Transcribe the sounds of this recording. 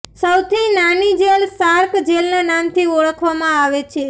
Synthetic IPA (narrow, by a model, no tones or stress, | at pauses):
səwt̪ʰinanid͡ʒelsaɾkd͡ʒelnanamt̪ʰiɔɭəkʰʋamãaʋet͡ʃʰe